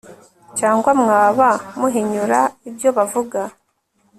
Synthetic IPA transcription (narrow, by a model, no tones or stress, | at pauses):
caːŋɡwamŋaːβamuɦiɲuɾaibjo̞βavuɡa